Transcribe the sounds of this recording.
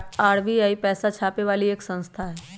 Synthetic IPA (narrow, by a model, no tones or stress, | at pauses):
aːɾbiaːipɛːsat͡ʃʰaːpeʋaːlieːksə̃nst̪ʰaɦɛː